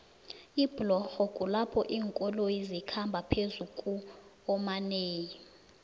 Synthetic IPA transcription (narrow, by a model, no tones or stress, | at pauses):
iblɔxɔkʼulapʰɔʔiːŋkʼɔlojizikʰambʱapʰezukʼu | ɔmaneːji